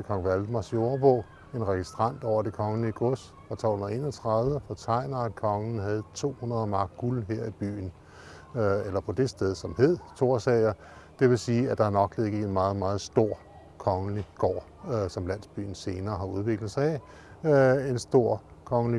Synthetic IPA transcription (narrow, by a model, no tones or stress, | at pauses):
kʰɒ̽ŋ̩ʋæld̥əmɑ̈so̝ɐb̥ɔ̰ː | e̝nʁɛɡ̥isd̥ʁɑn̰d̥ɒʊ̰ɐd̥e̝kʰɒ̽ŋəliɡ̥ɔsd̥fʁɑ̈t͡sʰɒ̰lhun̩ˠe̝̰ːnɒt͡sʰʁɑðˠʋəfɒt͡sʰɑ̈ɪ̰nɐæd̥̚kʰɒ̽ŋən̩ɦæð̞̩ˠt͡sʰo̝̰ːhunɐðˠɐmɑ̈ːɡ̥ɡ̥ulɦeɐ̰ib̥y̰ːn | elɐpʰɒ̽d̥e̝sd̥eð̞ˠsɒ̽mhe̝ð̞̰ˠt͡sʰo̝ɐ̰sɛɪɐ | d̥e̝ʋe̝siːæd̥ɑ̈æɐnɒ̽ɡ̥leɡ̥əe̝nmɑ̈ːð̩ˠmɑ̈ːð̞̩ˠsd̥o̝ɐ̰ | kʰɒ̽ŋəliɡ̥ɒ̰ː | sɒ̽mlæn̰sb̥y̰ːn̩se̝ːnɐːɦɑ̈uð̞ˠʋe̝ɡ̥lð̩ˠsɑ̈ɪ | e̝nsd̥o̝ɐ̰kʰɒ̽ŋəli